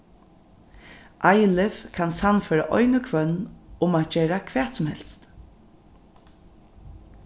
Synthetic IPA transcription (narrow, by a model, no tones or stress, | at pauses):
ʔajlɪfkʰansanfœːɾa̰ʔɔʏnəkʰvœnːʊmaːt̪̚d͡ʒɛːɾakʰʋ̥ɛːt̪sʊmhɛ̰l̥st̪